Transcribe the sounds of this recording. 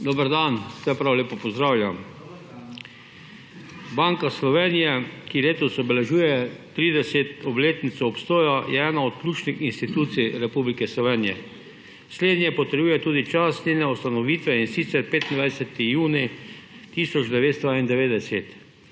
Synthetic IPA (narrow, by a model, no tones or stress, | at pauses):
d̪ɔːbəɾd̪ansɛpɾawleːpɔpɔzd̪ɾaːwlʲjam | baŋkaslɔʋeːnijɛkileːt̪ɔsɔbɛlɛʒuːjɛt̪ɾiːd̪ɛset̪ɔbleːt̪nit̪sɔpst̪oːjajɛɛːnaɔt̪klʲuːt͡ʃnixinst̪it̪uːt̪siɾɛpublikɛslɔʋeːnijɛ | sleːd̪nʲjɛpɔt̪əɾjuːjɛt̪uːd̪it͡ʃasninɛɔst̪anɔʋiːt̪ʋɛinsit̪sɛɾpeːt̪ind̪ʋajsɛt̪ijuːni | t̪iːsɔd͡ʒd̪ɛʋeːt̪st̪ɔaind̪ɛʋeːd̪ɛset̪